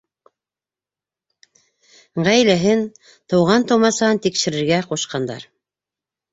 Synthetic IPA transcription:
ʁæjlæɦɘn | t̪ɤ̆wʁɑnt̪omɑsɑɤnt̪ikʃɘ̆ɾɘ̆ɾɡæquʃqɑnd̪ɑ̰ɾ

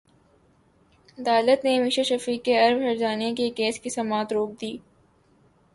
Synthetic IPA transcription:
ɐd̪aːlət̪nemiʃaʃɐfiːkːeɐɾmɦɐɾd͡ʒaːnekekeːskisɐmaːt̪ɾoːk̚d̪iː

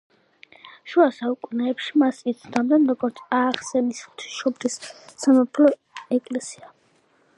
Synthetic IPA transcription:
ʃuasaukʼunɛːpʃimasit̪sʰd̪amd̪ɛnɾɔɡɔɾt̪sʰaːχsɛnisχt̪ʰi̥ʃɔbɾisːamapʰlɔ | ɛkʼlɛsia

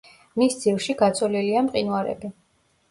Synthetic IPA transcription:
misd̪z̥ivʃiɡat̪sʼɔliliamqʼinwaɾɛ̰bi

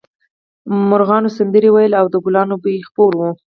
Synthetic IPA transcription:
mʊɾɣɑnosand̪əɾiwajəlawd̪əɡʊlɑnobəjexpoɾwu

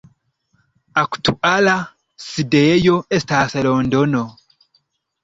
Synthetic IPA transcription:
aku̥tuʔala | sidejoɛstasɛlɔndɔno

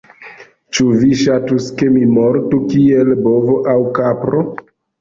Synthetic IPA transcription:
t͡ʃuviʃatuskemimoɾtukielbovoʔawkapɾo

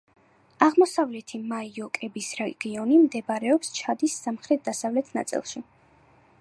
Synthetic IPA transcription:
aʁmɔsavlɛt̪ʰimaiɔkʼɛbisɾɛɡ̥iɔnimd̪ɛbaɾɛɔpst͡ʃʰad̪isːamχɾɛt̪̚d̪asavlɛt̪ʰna̰t̪sʼḭlˠʃi

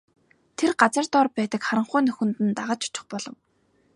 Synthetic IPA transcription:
t̪ʰerɢat͡sə̆r̥t̪ɔrpæːt̪ə̆kχaɾə̆ɴχʊjnɵxɵ̆nt̪ɘ̆nt̪aʁə̆t͡ɕʊ̥t͡ɕɪ̆χpɔɮɞ̆w

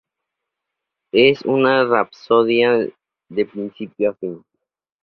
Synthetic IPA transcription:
esṵnarapsoðja | d̪epɾinsipjoafin

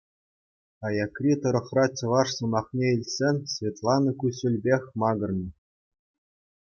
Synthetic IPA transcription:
ɑjɑkrʲit̪ɤ̆ɾɤ̆χrɑt͡ɕʲɤ̆ʋɑʂsɤ̆mɑχnʲeilʲsʲenʲsʲvʲet̪lˠɑnɤ̆kʲusʲulʲbʲexʲmɑɡɤ̆rnɤ̆

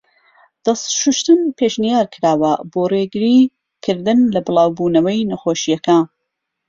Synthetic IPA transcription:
d̪̥ɐsʃuʃt̪ɨnpʰeʃnijaːɾkʰɨɾaːwɐboːreɡɨɾi | kʰɨɾd̪ɨnlɐbɨlˠaːwbuːnɐwɐjnɐxoːʃijɐkan

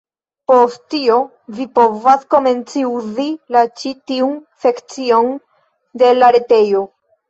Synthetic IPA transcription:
posttːio̞ | vipo̞vasko̞me̞nt͡siuzilat͡ʃitiunse̞kt͡sio̞n | de̞laɾe̞te̞jo̞

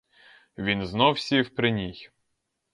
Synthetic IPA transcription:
ʋʲinznɔwsʲiwpɾɪnʲij

